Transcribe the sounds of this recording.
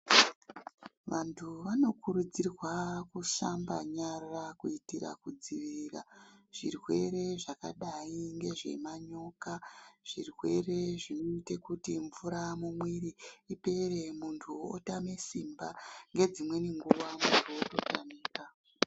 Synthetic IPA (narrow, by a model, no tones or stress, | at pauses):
ʋantʰuʋano̞kuɾud͡zirwakuʃambaɲarakuitiɾa̰kud͡ziʋiira̰ʐ̥irwe̞̰ɾe̞ʐaka̰ɗaiŋɡe̞ʐe̞̰maɲo̞kaʐ̥irwe̞re̞ʐinoite̞kutiɱvuɾamumwiɾiːpe̞re̞muntʰuotame̞simbaŋɡe̞d͡zimwe̞niŋɡuʋamuntʰuototaniːra